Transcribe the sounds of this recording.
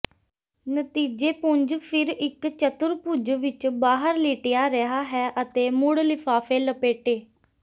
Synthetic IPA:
nət̪iːd͡ʒeːpʊɲd͡ʒpʰɪɾɪkt͡ʃət̪ʊɾpʊd͡ʒʋɪt͡ʃbaːɦəɾliːʈɪjaːɾeɦaːɦɛːʔət̪eːmʊɽlɪpʰaːpʰeːləpeːʈeː

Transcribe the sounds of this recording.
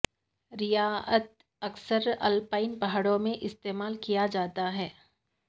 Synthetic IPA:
ɾɪjaːət̪̚ | ɐksəɾɐ̰lpaːɪnpɐɦaːɽõmẽʔɪst̪eːmaːlkijad͡ʒaːt̪aɦɛː

